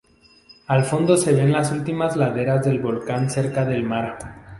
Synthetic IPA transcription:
alfo̞nd̪o̞se̞βe̞nlasult̪imazlaðe̞ɾazðe̞lβo̞lkanse̞ɾkaðe̞lmaɾ

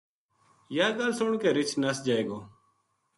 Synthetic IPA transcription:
jaːɡəlsʊɳkeːɾɪt͡ʃʰnəsd͡ʒaːeːɡoː

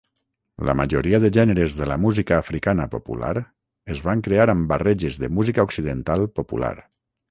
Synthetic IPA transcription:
lə̰maʒoɾiəðəʒɛnəɾezðələmuzikaːfɾikanəpopṵla̰ɾ | əzβaŋkɾeaɾəmbarɛʒezðəmuzikaoksiðənt̪alˠpopṵla̰ɾ

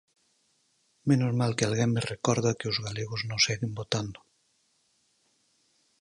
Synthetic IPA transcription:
menozmalkealɣɛmmerekɔɾðakeozɣaleɣoznõseɣimbot̪and̪o

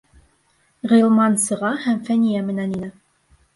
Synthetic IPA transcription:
ʁɤ̆jlˠmɑnsɤ̆ʁɑhæmfænʲijæmɘ̆næninɘ

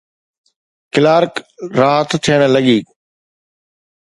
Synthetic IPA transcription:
kɪlaːɾkɾaːɦət̪t̪ʰijəɽ̃ləɠiː

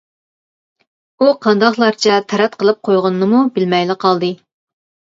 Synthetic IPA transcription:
uqʰɑnd̪ɑχlˠɑɾt͡ʃʰɛt̪ʰɛɾɛt̪qʰəlˠɨp̚qʰojʁʊnɨːɨmubɪlmɛjlɪqʰɑlˠd̪ɨ

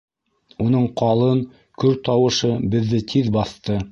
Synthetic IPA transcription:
unɤɴqɑlˠɤŋ | kɵɾt̪ɑwɤ̆ʃɤbɘ̆ðːɘt̪ʰiðbɑθt̪ɤ

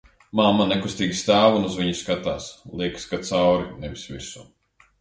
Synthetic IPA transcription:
maːmanɛkust̪iːɡʲist̪aːvunuzviɲuskat̪aːslˠiɛkskat̪sawɾinɛvʲisvisu

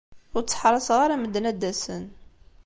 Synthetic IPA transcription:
ʊɾt͡sːħɾˤɑsəʁaɾaməd̪ːnæd̪ːæsə̰n

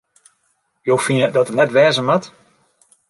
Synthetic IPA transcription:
joːfinədɔtətnɛtʋɛːzəmat

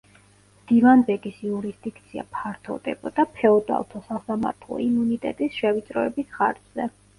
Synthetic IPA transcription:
md̪̥ivanbɛɡisjuɾisd̪ikʰt̪sʰia̰pʰaɾt̪ʰɔ̰vd̪ɛ̰bɔd̪apʰɛɔd̪a̰lˠt̪ʰɔsasama̰ɾt̪ʰlˠɔ̰imunit̪ʼɛ̰t̪ʼisʃɛvit̪sʼɾɔɛbisχa̰ɾd̪z̥ɛ

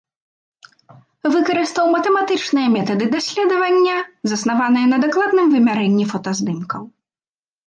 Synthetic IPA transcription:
vɨkɐɾɨst̪ɐwmɐt̪ɛmat̪ɨt͡ʂnɨjɐmʲɛt̪ɐd̪ɨd̪asʲlʲɛd̪ɐvɐnʲːɐzɐsn̪avan̪ɨjɐnɐd̪aklˠad̪̚nɨmvɨmʲaɾɛnʲːifɐt̪ɐzd̪ɨmkɐw

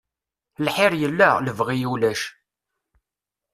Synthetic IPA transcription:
lħɪɾjəlːæləvʁijulæʃ

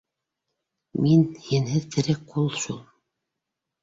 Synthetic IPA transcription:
minhinhɘðt̪ʰɘ̆ɾɘkqulˠʃulˠ

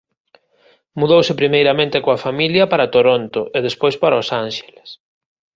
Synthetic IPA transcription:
muðowsɪpɾimejɾɐmẽnt̪ekoafamiljɐpaɾat̪oɾont̪oʔeðespojspaɾaosanʃe̥le̥s

